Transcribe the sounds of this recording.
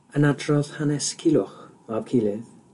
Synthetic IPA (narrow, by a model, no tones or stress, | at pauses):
ənadrɔðhanɛskʰɪlˠʊχmab̥kʰilˠɪð